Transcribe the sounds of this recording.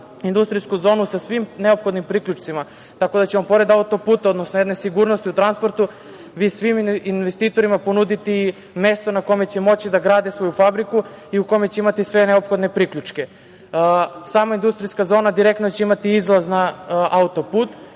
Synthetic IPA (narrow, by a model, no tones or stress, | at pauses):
ind̪ust̪ɾijskuzo̞ːnusasʋimneopxo̞d̪nimpɾikʎʲut͡ʃt̪sima | t̪ako̞d̪at͡ɕeompo̞ɾe̞d̪aut̪o̞puːt̪ao̞d̪nosnojed̪ne̞siɡuɾnost̪iut̪ɾanspo̞ɾt̪u | ʋiːsʋiminʋest̪iːt̪o̞ɾimapo̞nud̪it̪i | me̞st̪o̞nako̞me̞t͡ɕemo̞t͡ɕid̪aɡɾaːd̪isʋo̞jufabɾikuiuko̞jme̞t͡ɕeimat̪isʋe̞neopxo̞d̪ne̞pɾiklʎut͡ʃke | saːmaind̪ust̪ɾijskazo̞ːnad̪iɾekt̪not͡ɕeimat̪iizlˠaznaaut̪o̞puːt̪